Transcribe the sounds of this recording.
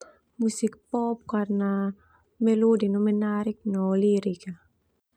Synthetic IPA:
musik̚pɔp̚karna | mɛlodinɔmɛnaɾik̚nɔliɾika

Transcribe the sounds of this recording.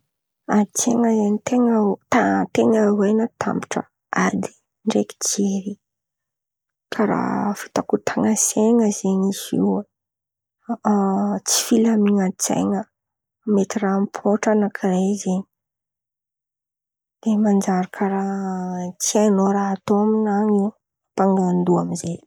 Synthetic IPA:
at͡sḛŋəzanit̪eŋat̪at̪eŋawajnət̪ʰa̰mpi̥ʈ͡ʂə̰ | ad̪i̥ | ɳɖ͡ʐeki̥d͡ʒeɾi | kʰaɾa̰fi̥t̪akut̪ʰaŋaseŋəzeɲisḭwə | t͡si̥filamiŋət͡sḛjŋə | met̪irampʰoʈ͡ʂanakʰirezeɲi | d̪̥emand͡ʒaɾakʰaɾa | t͡sianoɾaːt̪oaminaŋi | paŋɡand̪uamize

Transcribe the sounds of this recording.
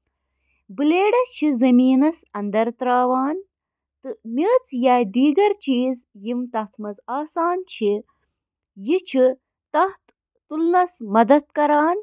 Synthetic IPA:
bɨleːɖɐst͡ʃʰizɐmiːnɐsɐnd̪ɐɾt̪ɾaːʋaːn | t̪ɨmiːt͡sjaːɖiːɡɐɾt͡ʃiːzjimt̪ɐht̪ʰmɐzaːsaːnt͡ʃʰi | jit͡ʃʰi | t̪ɐht̪ | t̪ulnɐsmɐd̪ɐt̪̚kɐɾaːn

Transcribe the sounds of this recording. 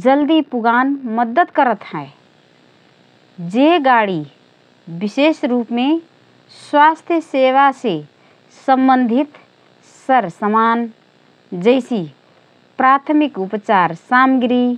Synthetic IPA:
d͡ʒəld̪ipuɡanməd̪əd̪kəɾət̪hae | d͡ʒeɡaɽi | bisesɾupme | swast̪ʰjəseʋase | səmbənd̪ʱit̪ | səɾsəman | d͡ʒəɪsi | pɾat̪ʰmikupət͡ʃaɾsamɡɾi

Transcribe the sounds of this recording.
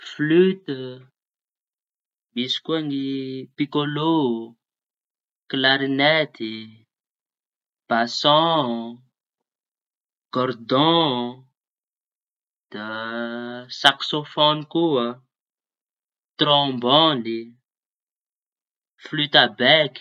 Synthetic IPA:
flyt̪ə | misi̥kuanipikolo | klaɾinɛt̪i | b̥asɔ̃ | kɔɾd̪ɔ̃ | d̪̥a | saksofɔnikuə | t̪ɾɔ̃mbɔnd̪i | flyt̪abɛki̥

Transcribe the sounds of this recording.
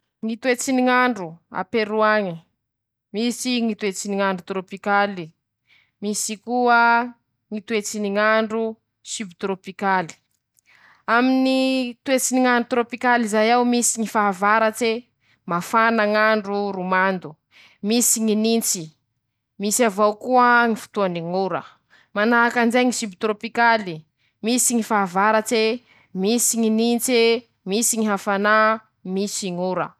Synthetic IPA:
ŋit̪uet͡siniŋaɳɖ͡ʐua̰peɾuaŋi | misiŋit̪uet͡siniŋaɳɖ͡ʐut̪ɾopikali | misikuə | ŋit̪uet͡siniŋaɳɖ͡ʐu | sybit̪ɾopikali̥ | aminit̪uet͡siniŋaɳɖ͡ʐut̪ɾopikalizajawmisiŋifaavaɾat͡se | mafanaŋaɳɖ͡ʐuɾumand̪u | misiŋinint͡si | misavawkuəŋifu̥t̪uaniŋuɾə̰ | manaakand͡ʒejŋisimbit̪ɾopikali | misiŋifaːvaɾat͡se | misiŋinint͡se | misiŋiɦafana | misiŋuɾə̰

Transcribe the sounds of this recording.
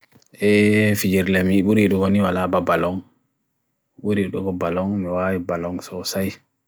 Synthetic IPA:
ʔɛfid͡ʒiɾlɛmiɓuɾiɗɔwoniwalababalɔŋ | ɓuɾiɗɔɡɔbalɔŋmiwawibalɔŋsɔsaj

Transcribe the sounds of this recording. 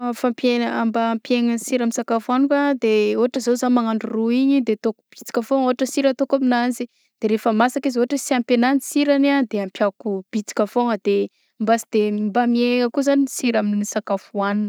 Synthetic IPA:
fampenambaːmpeŋansiɾaminsakafuanukad̪eoɦaʈ͡ʂəzozanmaŋaɳɖ͡ʐuruiɲid̪et̪oku̥b̥i̥t͡si̥kʲəfooɦaʈ͡ʂəsiɾət̪okaminanzi | d̪̥eɾefəmasakizoɦaʈ͡ʂəsiampenanisiɾanad̪eampjakub̥it͡si̥kʲəfoŋəd̪̥e | mbasid̪̥embamieŋəkuzaniisiɾamininisakafuanunə

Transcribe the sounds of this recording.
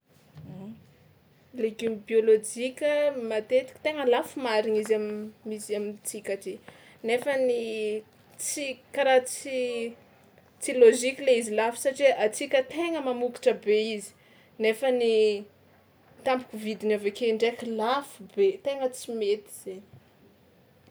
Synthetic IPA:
leɡymbiolod͡ʒikʲəmat̪et̪i̥kt̪eŋəlafumaɾiŋizammisamint͡sikaʈ͡ʂi | nefəni | t͡sikaɾat͡si | t͡siloʒikʲileizilafi̥saʈ͡ʂiʔat͡sikʲət̪eŋəmamuki̥ʈ͡ʂəbeizi̥ | nefəni | t̪ampu̥kuvid̪inavekeɳɖ͡ʐekilafubet̪eŋət͡simet̪i̥z̥e

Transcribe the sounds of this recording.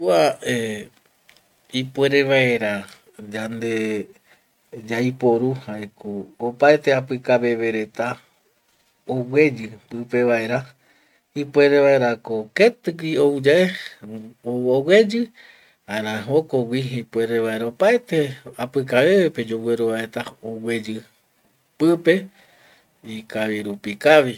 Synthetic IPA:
kuae | ipwe̞ɾeʋae̞ɾa | d͡ʒand̪e | d͡ʒajpo̞ɾuhaekoːpaet̪e̞apɨkaβe̞βe̞ɾe̞t̪a | owe̞d͡ʒɨpɨpe̞ʋae̞ɾa | hipwe̞ɾeʋae̞ɾakoket̪ɨkʷioud͡ʒae | owe̞d͡ʒɨ | aeɾãɦokowʷiɦipue̞ɾeβae̞ɾaopaet̪eapɨkaβe̞βepe̞d͡ʒowe̞ɾoβaet̪aowe̞d͡ʒɨ | pɨpe̞ | ikaʋiɾupikaʋi

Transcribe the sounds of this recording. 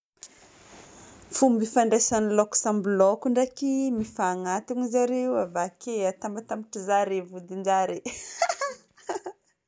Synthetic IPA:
fumbifaɳɖ͡ʐesanlɔksãmblɔkuɳɖ͡ʐakimifaːŋat̪iŋizaɾewavakeat̪ambat̪amiʈ͡ʂizaɾevud̪ind͡ʒaɾe

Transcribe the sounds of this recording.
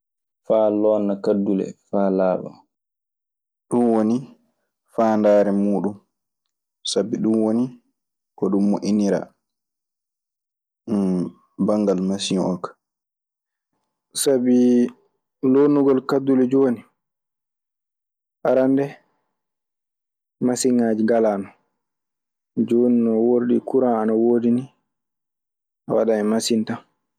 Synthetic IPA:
faːlɔːnːakadːulɛ̰faːlaːɓa̰ | ɗunwoni | faːndaːɾɛmuːɗum | sabiɗunwoni | kɔɗumːoʔiniɾa̰ | baŋɡalmasiɔkḁ | sabi | lonuɡɔlkadːulɛd͡ʒoni | ʔaɾandɛ | masiŋaːd͡ʒiɡalaːnɔ | d͡ʒoːninɔwoɾɗikuɾaanawoːdini | awa̰ɗaɛmasinta

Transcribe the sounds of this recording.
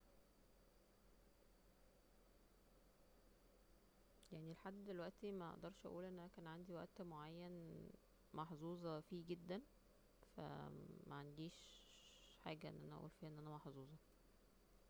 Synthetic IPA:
jaʕnileħad̪ːd̪elwæʔt̪imæʔɑ̰ʔd̪ɑɾˤʃʔæ̰ʔuːlʔenːʔænækæːnʕand̪iwæʔt̪moʕajːæn | mɑħzˤuːzˤɑfiːɡed̪ːæn | fæ̰mæʕand̪iːʃ | ħa̰ːɡæʔḛnːʔænæʔæ̰ʔṵːlfiːʔæʔenːʔænæmɑħzˤuːzˤɑ

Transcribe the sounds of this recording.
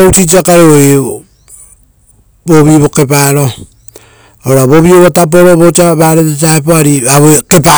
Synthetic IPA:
utit͡ʃiakaɾeoj | boβiβo̞ke̞p̬aɾo | oɾaβoβioβotap̬oɾoβot͡ʃaβaɾetet͡ʃaepoaɾiaβoeke̞p̬a

